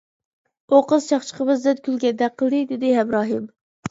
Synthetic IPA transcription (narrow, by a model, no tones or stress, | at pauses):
oqəzt͡ʃʰɑχt͡ʃʰə̥qəbɨzd̪ɛd̪̚kʲʰylɡʲɛd̪ɛqʰːəlˠd̪ɨd̪ɪd̪ɪɦɛmɾɑːɦɨm